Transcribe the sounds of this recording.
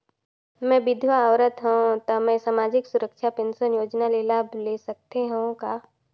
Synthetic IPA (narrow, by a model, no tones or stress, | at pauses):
mɛ̃ːbɪd̪ʱʋaawɾət̪ɦɛõt̪amɛ̃saːmaːd͡ʒɪksʊɾəkʃʰapẽnsənjoːd͡ʒnaleːlaːblesɐk̚t̪eɦɛõkaː